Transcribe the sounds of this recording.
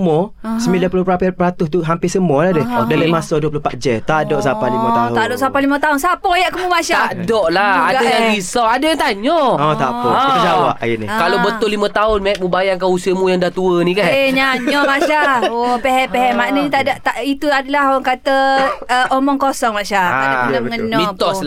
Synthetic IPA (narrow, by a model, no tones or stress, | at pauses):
mɔsəmbilapulopapəɾat̪ʊst̪uɦampɪsəmɔladədalamasɔduəp̬lohpat̪̚d͡ʒɛt̪adɔʔsapahlimət̪aʊt̪adɔʔsapalimət̪aɦʊnsapɔjaʔkəmumaʃaadɔʔlaaɡdajaŋbisaadajaŋt̪aɲɔɔt̪a̰pɔɔd͡ʒawa̰inḭkalobət̪ʊlːimət̪aʊnmaʔ̚mubajaŋkanusiəmujaŋdaht̪uənĩkaneɲaɲɔmaʃaopɛɦɛpɛɦɛmaʔnəɲit̪aʔdaʔt̪aʔit̪uadalahɔaŋkat̪əəomɔŋkosɔŋmaʔʃaaanəŋənɔmĩt̪ɔsla